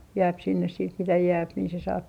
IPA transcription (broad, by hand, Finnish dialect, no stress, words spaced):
jæːp sinːes siːt mitæ jæːp niː se sɑːp